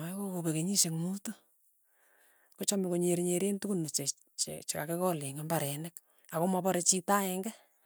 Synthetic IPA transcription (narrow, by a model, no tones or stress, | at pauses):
akokobekeɲiʃeŋmuto | kot͡ʃamekoɲeɾɲeɾentukunot͡ʃe | t͡ʃt͡ʃeka̰kekɔleŋembaɾɛnɛk̚ | akomapɔɾet͡ʃitaɛŋɡɛ